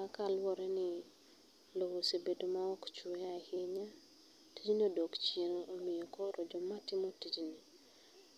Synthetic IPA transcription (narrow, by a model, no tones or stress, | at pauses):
akalwɔɾɛnɪ | lowosebedomaɔkt͡ʃweahɪɲa | tid͡ʒnodokt͡ʃenoʔomijokoɾʔod͡ʒɔmatɪmotid͡ʒni